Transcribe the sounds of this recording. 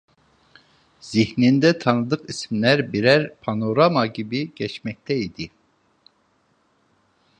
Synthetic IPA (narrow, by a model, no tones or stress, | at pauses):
z̥ihnind̪ɛt̪ʰɑnɨd̪ɯqisimlæɾbiɾɛɾpʰɑnoɾamaɡʲibiɟ̥ʲɛt͡ʃmɛk̚t̪ʰɛid̪i